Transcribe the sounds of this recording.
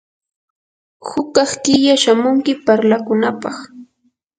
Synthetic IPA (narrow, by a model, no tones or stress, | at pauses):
hʊkɑχt̪ɪjaʃamʊŋkɪpaɾlakʊnapɑχ